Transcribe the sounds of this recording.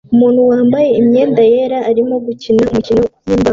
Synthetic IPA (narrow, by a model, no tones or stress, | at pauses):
umuːnhuwaːmbajeimɲeːnd̪ajeɾaːɾimoɡucinamucinoukiːmba